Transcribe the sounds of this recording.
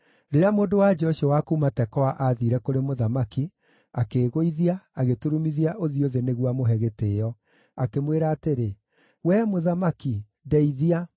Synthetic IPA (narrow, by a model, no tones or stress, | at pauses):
ɾeɾeamoːndowad͡ʒɔʃiwakuːmatɛkɔwaʔaðiɾɛkoɾemoðamaki | akeːɣoiðiaaɣetuɾumiðiaʔoðioðeneɣwamoɦɛɣeteːjɔ | akemweɾaːteɾe | wɛmoðamaki | dɛiðia